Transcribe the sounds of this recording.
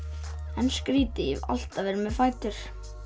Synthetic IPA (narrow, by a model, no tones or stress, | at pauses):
ɛnskɾiːt̪ɪḭva̰l̥t̪avɛːɾɪmɛðfaːjt̪ʏɾ̥